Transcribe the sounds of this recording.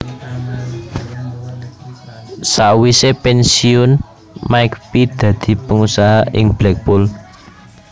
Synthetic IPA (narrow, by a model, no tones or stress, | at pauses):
saʔwisepɛnsiʊn | maɪkpid̪̥ä̤d̪̥i̤pəŋusaɦaʔɪŋblɛk̚bʊl